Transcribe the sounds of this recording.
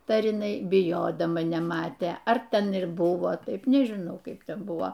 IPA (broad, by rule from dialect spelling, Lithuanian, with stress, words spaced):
ˈtɐɪ ɐr ɪˈnɐɪ bʲɪˈjoːdɐmɐ nʲɛˈmɑːtʲeː ɐr ˈtʲɛn ɪr ˈbʊʋoː ˈtɐɪp nʲɛʒʲɪˈnɐʊ ˈkɐɪp ˈtʲɛn ˈbʊʋoː